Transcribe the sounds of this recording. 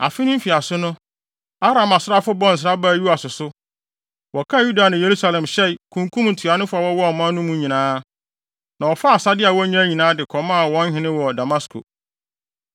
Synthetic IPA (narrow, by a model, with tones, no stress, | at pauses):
a̰˨fɪ˦nɪ̃˦m̩˦fi˨a˨sʊ˦nʊ̃˦ | a˦ɾã˨ma˨sɾa˦fʊ˦bɔ̃˦n̩˨s̬ɾa˦ba˦˨ju˦a˨sʊ˨sʊ˦ | wɔ˨kʰa˦ju˦da˨nʊ̃˨je˨ɾu˦sa˨lɛ̃˨mɕɛ˦˨kʰũ˨ŋkʰũ˦mn̩˨tʰu˨a˨nʊ̃˦fa˨wɔ˦wɔ˦ɔ˨mã˦nʊ̃˦mũ˦ɲĩ˨nãː˦ | nã˨wɔ˨fa˦a˨sa˦dɪ˦a˨wɔ˦ɲã˦ɲĩ˨nãː˦dɪ˨kʰɔ˨mã˦a˨wɔ̃˦ɲ˦hɪ̃˨nɪ̃˦wɔ˨da˨ma˦skʰo̰˨